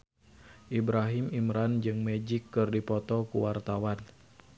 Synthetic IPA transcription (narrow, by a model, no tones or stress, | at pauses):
ʔibɾaɦimimɾand͡ʒɨŋmɛd͡ʒɪkːɨrdipɔt̪ɔkuwart̪awan